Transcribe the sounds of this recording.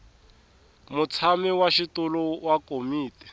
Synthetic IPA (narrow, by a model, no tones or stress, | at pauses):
mʊt͡sʰamiwaʃitulɔwakomiːtɛ̥